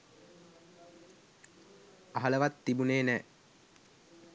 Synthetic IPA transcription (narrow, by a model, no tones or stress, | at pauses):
aɦələʋat̪ːibuneːnɛː